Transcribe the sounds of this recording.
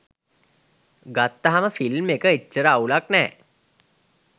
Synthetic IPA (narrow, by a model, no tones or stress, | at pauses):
ɡat̪ːəɦaməfilmekəitːɕəɾaːulaknɛː